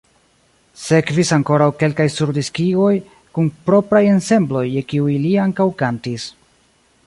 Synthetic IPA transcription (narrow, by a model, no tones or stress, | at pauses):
se̞kvisaŋko̞ɾawke̞lkajsuɾdiskiɡo̞j | kunpɾo̞pɾaje̞nse̞mblo̞jekiujliaŋkawkantis